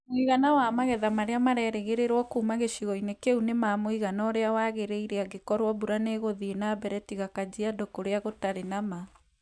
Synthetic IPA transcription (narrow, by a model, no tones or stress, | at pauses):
moiɣanawamaɣɛðamaɾeamaɾɛɾeɣeɾeɾwɔkuːmaɣeʃiɣɔinekeunemamoiɣanɔːɾeawaɣeɾeiɾeaɡekɔɾwɔbuɾaneɣoðienabɛɾɛtiɣakad͡ʑiadokoɾeaɣotaɾenama